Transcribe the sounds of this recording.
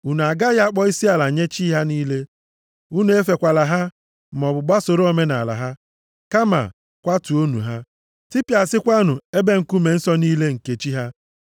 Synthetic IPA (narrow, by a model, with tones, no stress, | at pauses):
u˨nu˨a˨ɡa˦ja˦a˦k͡pɔ˦i˦si˦a˨la˨ɲe˦t͡ʃi˦ɦa˦niː˦le˦ | u˦nu˨˦e˦fe˨kʷa˨la˨ɦa˦˨ | mɔ˨bʊ˨ɡ͡ba˦so˨ɾo˦o˦me˦na˨la̰˨ɦa˦ | ka˦ma̰˨ | kʷa˦tu˨o˦nṵ˨ɦa˦ | ti˦pja˨sɪ˦kʷa˦nʊ˨e˦be˦ŋ̩˨ku˦me˨n̩˦sɔ˦niː˦le˦ŋ̩˨ke˨t͡ʃi˦ɦa˦